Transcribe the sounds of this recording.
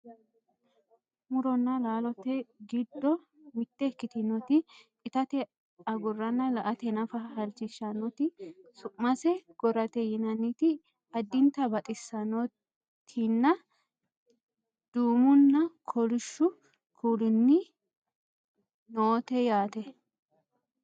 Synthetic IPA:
mʊɾɔnːɐlaːlɔt̪ɛɡɪd̪ːɔ | mɪt̪ːɛkːɪt̪ɪnɔt̪ɪ | ɪt̪ɐt̪ɛ | ɐɡʊrːɐnːɐlɐʔɐt̪ɛnɐfɐhɐlt͡ʃɪʃːɐnɔt̪ɪsʊʔʼmɐsɛɡ̥ɔɾɐt̪ɛjɪnɐnːit̪ɪ | ɐd̪ːɪnt̪ɐbɐt̪ʼɪsːɐnɔ | t̪ʰɪnːɐ | d̪̥uːmʊnːɐkʰɔlɪʃːʊ | kʰulɪnːɪ | noːt̪ɛjaːt̪ɛ

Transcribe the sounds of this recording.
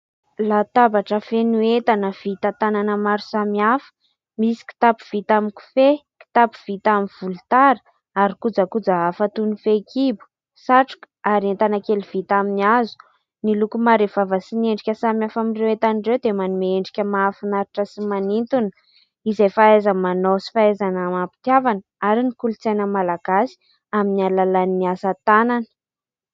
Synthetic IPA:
lat̪abaʈ͡ʂəfenuet̪anəv̥it̪at̪ananəmaɾu̥samiafə̥ | misi̥ki̥t̪apu̥v̥it̪amiku̥feki̥t̪apu̥v̥it̪aminv̥ulut̪aɾə̥ | aɾikud͡zakud͡zaafat̪unifekibu̥ | saʈ͡ʂu̥k | aɾient̪anakeliv̥it̪aminiazu̥ | nilukumaɾev̥avəsineɳɖ͡ʐikʲəsamiafamirewet̪anɳɖ͡ʐewd̪emanumeeɳɖ͡ʐi̥kʲəmaːfinaɾiʈ͡ʂəsimanint̪unə̥ | izejfaezamanosi̥faezanamapi̥t̪iavanəaɾinikulut͡sejnəmalaɡ̥asi̥ | aminialalaniːiasat̪ananə̥

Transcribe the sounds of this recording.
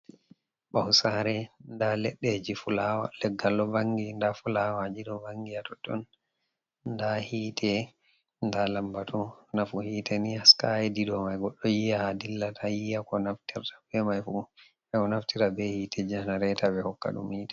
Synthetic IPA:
ɓawsaɾɛndalɛɗːɛd͡ʒifulawa̰lɛɡːalːɔbaŋɡindafulawad͡ʒidɔbaŋɡijatɔtːɔ̰n | ndahiːtʰɛ | ndalambatʰɔnafuhiːtɛnihaskajɛdidɔmajɡɔɗːɔjijahadilːatʰajijakɔnaftiɾtʰḁbɛmajfu | ɛkɔnaftiɾabɛhiːtʰɛd͡ʒanaɾɛtabɛhɔkːa̰ɗṵmiːtḁ

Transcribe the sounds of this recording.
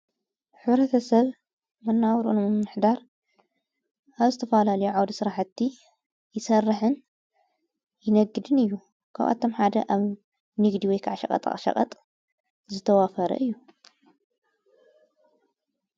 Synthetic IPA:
ħɨβɾɐt̪ʰɐsɐβ | mɐnːawɾṵnmɨmnɨħd̪aɾ | ʔaβzɨt̪ʰɐfalalɐjuʕawd̪isɨɾaħt̪ːi | jɪsɐrːɨħɨn | jɪnɐɡːɨd̪ɨnɨjːu | kʰa̰βʔa̰t̪ʰːo̞mħad̪ɐ̰ʔaβ | nɨɡd̪iwɔjkʰaʕaʃɐ̰kʼɐ̰t̪ʼa̰χʼʃɐ̰kʼɐ̰t̪ʼ | zɨt̪ʰɐwafɐɾɐ̰ʔɨjːu

